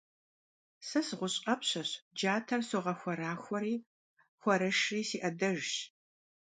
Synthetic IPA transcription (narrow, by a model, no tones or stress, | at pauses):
sɐsɨʁʷʊɕʼɐpɕɐɕd͡ʒaːtʰɐrsoʁɐxʷɔɾaːxʷɔriː | xʷɔɾɐʃriːsiːʔɐdɐʒɕ